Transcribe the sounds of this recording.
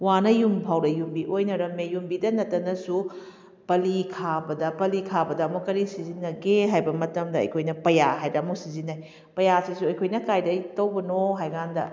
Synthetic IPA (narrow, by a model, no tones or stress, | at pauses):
wanɐjumpʰawɾɐjumbiʔojnɐɾɐmejumbidɐnɐtːɐnɐsu | pɐlikʰabɐdɐpɐlikʰabɐdɐːmukɐɾisizinːɐɡeɦajbɐmɐtɐmdɐɐ̰jkʰojnɐpɐjaɦajdɐɐmusizinaj | pɐjasisuɐjkʰojnɐkajdɐjtɐwbɐnoɦajɡandɐ̰